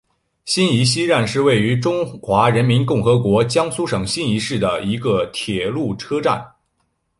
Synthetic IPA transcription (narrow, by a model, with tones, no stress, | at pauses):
ɕi˥ni˧˥ɕi˥ɻa˥˧nʂɻ̩˥˧we˥˩ɪy˧˥ʈ͡ʂʊ˥ŋxwa˧˥ɻə˧˥nmi˧˥nkʊ˥˩ŋxɤ˧˥kwɔ˧˥t͡ɕjɑ˥ŋsu˥ʂɤ˨˩ŋɕi˥ni˧˥ʂɻ̩˥˩d̪ə˩i˧˥ɡə˧t̪ʰjɛ˨˩lu˥˩ʈ͡ʂʰɤ˥ʈ͡ʂa̰˥˩n